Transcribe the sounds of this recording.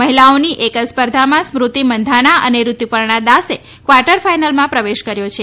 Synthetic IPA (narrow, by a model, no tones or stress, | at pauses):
məɦilaoniʔekəspəɾd̪ʱamãsmɾut̪imənd̪ʱaɽ̃aʔəneɾut̪jupəɾɳ̃ad̪ase | kʋaɾʈəɾfajnəlmãpɾəʋeʃkəɾjot͡ʃʰe